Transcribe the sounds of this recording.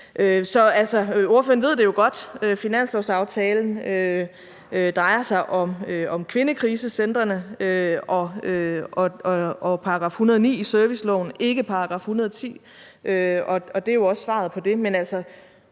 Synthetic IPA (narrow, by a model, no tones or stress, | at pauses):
ʔøsɒ̽ælsɒo̝ɐføːɐn̩ʋe̝ð̰ˠd̥e̝jo̝ɡ̥ɒ̽d̥øfinæn̰slɒʊsɑ̈ʊt͡sʰɛːln̩ø | d̥ʁɑ̈ɪɐsɑ̈ɪʔɒ̽møɒ̽mkʰʋe̝nəkʰʁiːsəsend̥ʁɐnəøɒ̽øɒɒpʰɑ̈ɡ̥ʁɑ̰̈ːfhunɐðˠɒnḭːisøɐʋislɒʊn̩e̝ɡ̥əpʰɑ̈ɑɡ̥ʁɑ̈ːfhunɐðˠɒ̽t͡sʰḭː | ʔøɒ̽ɒd̥e̝jo̝ɒ̽ssʋɑ̰̈ðˠpʰɒ̽d̥e̝menæl̰sɐ